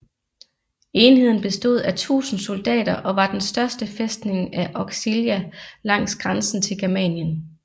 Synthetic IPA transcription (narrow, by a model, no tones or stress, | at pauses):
e̝ːnhe̝ð̞̰ˠn̩b̥e̝sd̥o̝ð̞̰ˠæt͡sʰṵːsn̩so̝ld̥ɛ̰ːɾ̥ɐʔɒ̽ʋɑ̈d̥ensd̥ɶɐsd̥əfesd̥ne̝ŋæʔɒɡ̥siljælɑ̈ŋ̰sɡ̥ʁansn̩t͡sʰe̝lɡ̥æɐmɛ̰ːnjən